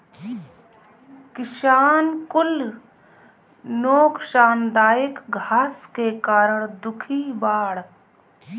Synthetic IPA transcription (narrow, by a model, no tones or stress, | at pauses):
kɪʃaːnkʊl | noːkʃaːnd̪aːjɪkɡʱaːskekaːɾəɽ̃d̪ʊkʰibaːɽ